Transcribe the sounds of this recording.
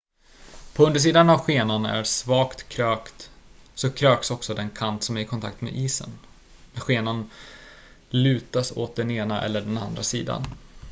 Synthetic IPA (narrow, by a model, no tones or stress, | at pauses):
pʰɔɵnd̪əʂ̬iːd̪anavɧeːnanæ̰ɾsvɑːkt̪kʰɾøːkt̪sɔkʰɾøːksɔksɔd̪ɛnkʰant̪sɔmæɾɪkʰɔnt̪ʰa̰k̚t̪mḛʔiːsə̰n | næɧeːnan | lʉ̟ːt̪aso̰ːt̪̚d̪ɛneːnaʔɛ̰lːəɖɛna̰nd̪ɾasḭːd̪a̰n